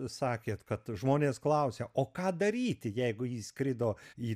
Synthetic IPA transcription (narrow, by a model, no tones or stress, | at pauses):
sɑːkʲeːt̪kɐt̪ʒmoːnʲeːsklˠɐʊsʲeʔoːkɑːd̪ɐɾʲiːt̪ʲɪjɛɪɡʊjiːsʲkɾʲɪd̪oːiː